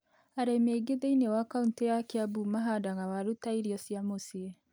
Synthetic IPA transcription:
aɾemeɡeðeinewakauntejakeabumaɦadaɣawaɾutaiɾiɔsjamosie

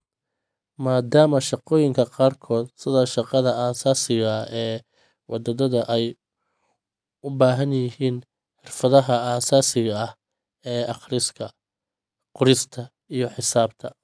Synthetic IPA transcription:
maːd̪aːmɐʃɑqɔːjɪŋkʰɐqɑːrkʰɔːd̪sɪðɔːʃɑqɑðɐaːsaːsɪɣɐɛː | wʔɑd̪ɐdɐðɐʔɛj | ʊbaːɦɐnjɪɦiːn | ħɪrfɐðɐɦɐaːsaːsɪɣɐɐh | ɛːʔɑχɾɪskʰɐ | qʊɾɪst̪ʰɐ | ijɞħɪsaːb̚t̪ʰɐ

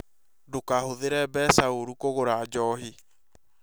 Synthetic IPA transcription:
dokahoðeɾɛbɛsaoɾukoɣoɾad͡ʑɔhi

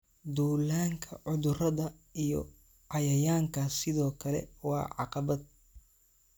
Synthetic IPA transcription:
d̪uːlaːŋkʰɐʕʊðʊrɐðɐ | ijɔ̰ | ʕɑjɐjaːŋkʰɐsɪðɔːkʰɐlɛ̰wɑ̰ːʕɑ̰qɑβɐd̪̚

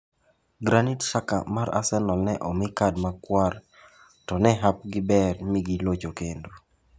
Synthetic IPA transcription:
ɡɾanitʃaka̰maɾa̰sɛnɔlnɛʔɔmɪkadmakwar | tɔnɛɦap̚ɡɪbɛrmɪɡɪlot͡ʃokendo

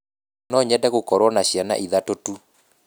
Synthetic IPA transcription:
nɔɲɛdɛɣokɔɾwɔnaɕjana̰ʔiðatotu

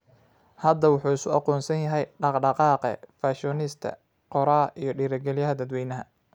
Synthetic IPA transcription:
hɐd̪ɐwʊħuːɪsʊɑqɔːnsɐnjɐɦɛjɖɑqɖɑqɑːqɛ̰faʃɔnɪst̪ʰɐ̰ | qɔɾɐʔijɞɖiːɾɐɡɛlɪjɐɦɐd̪ɐd̪wɛjnɐɦɐ̰

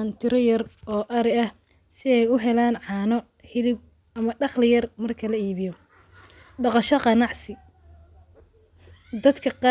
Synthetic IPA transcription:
nt̪ʰɪɾɔjɐrɔːʔɐɾɪɐh | sɪɛjʊɦɛlaːnʕɑːnɔ | hɪlɪb̚ | ʔɐmɐɖɑχlɪjɐrmɐrkʰɐlɐiːβɪjɔ | ɖɑqɑʃɐqɑnɑʕsɪ | d̪ɐd̪kʰɐqɑ

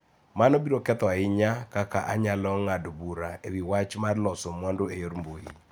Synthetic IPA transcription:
manobiɾokɛt̪ɔaɪɲakakaʔaɲalɔŋadobuɾaewiwat͡ʃmarlɔsomwɔndoejoɾmboji

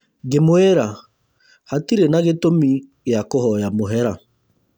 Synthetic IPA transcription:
ɡemwɛɾa | hatiɾenaɣetomiɣeakohɔjamoɦɛɾa

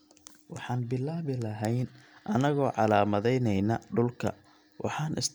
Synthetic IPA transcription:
wɑħɑːnbɪlːaːβɪlɐɦɛjnʔɐnɐɣɔːʕɑlaːmɐðɛjnɛjnɐɖʊlkʰɐ̰ | wʔɑ̰ħɑːnʔɪ̰s

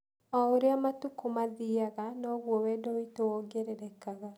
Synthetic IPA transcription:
ɔoɾeamatukomaðiaɣanɔɣwɔwɛdɔitowɔɡɛɾɛɾɛkaɣa

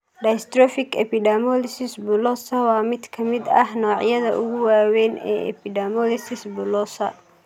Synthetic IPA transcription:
ɖɐjst̪rɔfɪkɛpɪɖɛmɔlɪsɪsbʊlɔsɐwɑːmɪd̪kʰɐmɪd̪ɐhnɔːʕjɐðɐʔʊɣʊwaːwɛːnɛ̰ːɛ̰pɪɖɛmɔlɪsɪsbʊlɔsɐ

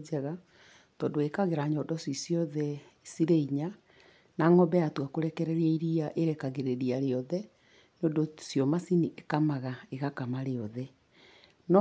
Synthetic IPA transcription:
d͡ʒɛɣa | tɔndoekaɣeɾaɲɔdɔsisjɔðɛ | siɾeiɲa | naŋɔbɛatwakoɾɛkɛɾɛɾiaiɾiaʔeɾɛkaɣeɾeɾiaɾeɔðɛ | neondosjɔmasiniʔekamaɣaeɣakamaɾeɔðɛ | nɔ

